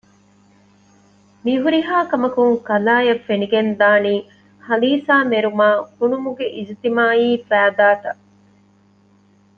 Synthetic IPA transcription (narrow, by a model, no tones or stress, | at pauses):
miɦuɾiɦaːkɐmɐkuŋkɐlaːjɐfːeniɡend̪aːniː | hɐliːsaːmeɾumaːkunumuɡeʔid͡ʒt̪imaːiːfæːd̪aːt̪ɐ